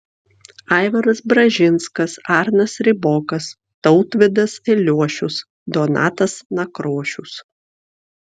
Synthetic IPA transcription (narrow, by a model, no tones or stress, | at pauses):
ɑɪʋɐɾɐsbɾɐʒʲɪnskɐsɑːɾnɐsɾʲɪbɔːkɐs | t̪ɒʊt̪ʋʲɪd̪ɐsɪlʲuɔʃʲʊs | d̪oːnɑ̰ːt̪ɐsnɐkɾoːʃʲʊs